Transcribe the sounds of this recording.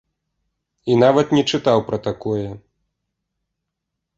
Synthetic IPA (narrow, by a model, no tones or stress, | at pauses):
inavɐt̪nʲɛt͡ʂɨt̪awpɾɐt̪akɔjɛ